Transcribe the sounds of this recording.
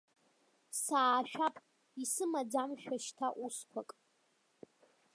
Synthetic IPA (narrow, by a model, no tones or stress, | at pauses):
saːʃᶣapʼ | isɨmad͡zamʃᶣaʃtʰaʔuskʷʰakʼ